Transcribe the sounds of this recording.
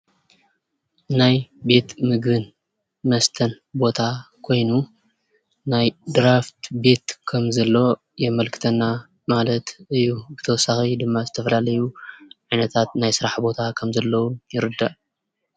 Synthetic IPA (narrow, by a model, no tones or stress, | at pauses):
najbe̞t̪mɨɡɨn | mɐst̪ʰɐn | bo̞t̪ʰakʰo̞jnu | najd̪ɨɾaft̪be̞t̪kʰɐmzɐlːo̞ | jɛmɐlkʰɨ̥t̪ʰɐnːa | malɐt̪ʔɨjːubɨt̪ʰɐwɔsːaxid̪ɨmːazɨt̪ʰɐfɐlalɐjuʕajnɐt̪ʰat̪najsɨɾaħbo̞t̪ʰakʰɐmzɐlːɐwujɪɾɨd̪ːɐʔ